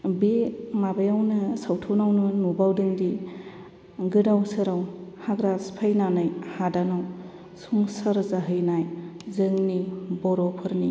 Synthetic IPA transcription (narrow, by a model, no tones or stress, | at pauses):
bimabajawnɯsawtʰonawnunubawdɯŋdi | ɡɯdawsɯɾawhaɡɾaspʰajnanajhadanaw | suŋsɐɾzaɦɯjnajzɯŋnibɔɾɔpʰɯɾni